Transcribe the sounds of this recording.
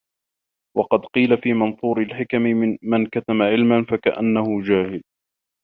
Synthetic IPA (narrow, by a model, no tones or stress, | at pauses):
wɑqɑd̪qiːlafiːmɑnsˤuːɾɪlħɪkamɪɪmankat̪amaʕɪlmanfakaʔa̰nːahʊd͡ʒaːhɪl